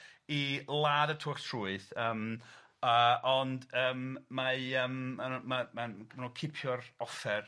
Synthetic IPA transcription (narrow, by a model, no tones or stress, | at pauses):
ilˠaːdətʰʊktʰruɨθəːm | əɔndəːmːaəmːanmamamanuːkʰɪpʰjɔrɔfɛr